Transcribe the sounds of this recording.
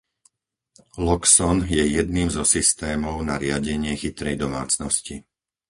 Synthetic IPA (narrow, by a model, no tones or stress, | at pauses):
lɔksɔnjɛjɛd̪niːmzɔsist̪ɛːmɔʊnaɾɪaɟɛɲɪɛxit̪ɾɛjd̪ɔma̰ːt͡snɔsci